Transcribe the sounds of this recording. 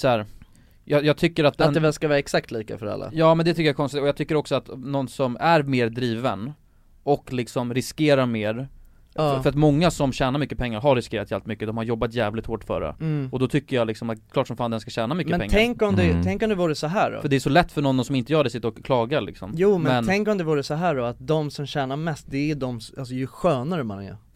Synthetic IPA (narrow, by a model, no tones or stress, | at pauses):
sɔhæːɾ | jɑjɑːɡ̚t̪ʰʏkːəɾat̪̚d̪ɛnd̪ɛvɛlskavɑːɾaɛksak̚t̪ʰliːka̰fœɾa̰lːa̰jɑːmɛnd̪ɛt̪ʏkːəjaɾkʰɔnst̪ɪt̪ɔjɑːt̪ʰʏkːəɾɔksɔat̪nɔnsɔmæɾmeːɾd̪ɾiːvən | ɔkːlɪksɔmɾɪskeːɾaɾmeːɾ | fœɾat̪mɔŋːasɔmɕæːnaɾmʏkːəpʰɛŋːaɾɦaɾːɪskeːɾat̪jɛːlt̪mʏkːəd̪ɔmhaɾjɔbːat̪jæːvlɪt̪hoːʈfœ̰ːɾə̰ɔd̪ɔt̪ʰʏkːəjalɪksɔmat̪kʰlɑːʈʂɔmfaːnd̪ɛnskaɕæːnamʏkmːəɛnpɛŋːʰɛŋkɔmd̪ɛt̪ʰɛŋkɔmd̪ɛvuːɾəsɔɦæːɖɔ̰fœɖɛæʂɔlɛt̪ːfœɳɔnːɔsɔmɪnt̪əjœːɖɛsɪt̪ːəɾɔkʰlɑːɡaɭɪ̰ksɔ̰mjuːmɛnmɛnʰɛŋkɔmd̪ɛvuːɾəsɔɦæːɖɔat̪̚d̪ɔmsɔmɕæːnamɛst̪̚d̪ɛæd̪ɔmals̬ɔjɵɧøːnaɾəmanɛ̰